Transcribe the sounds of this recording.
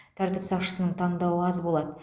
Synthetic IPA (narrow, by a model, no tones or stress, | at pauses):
t̪ʰæɾt̪ɪpsɑqʃə̥sənəɴt̪ʰɑɴd̪ɑwəɑzbo̞lˠɑd̪ə